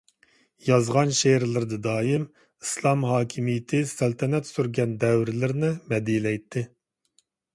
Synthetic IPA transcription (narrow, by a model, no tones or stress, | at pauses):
jɑzʁɑnʃeɾlˠɨɾd̪ɨd̪ɑːjim | islˠɑmhɑːkʲʰimijɪt̪ʰɪsælt̪ʰɛnɛt̪syɾɡʲɛnd̪ɛwɾlɪɾnɪmɛd̪ilɛjt̪ʰːɪ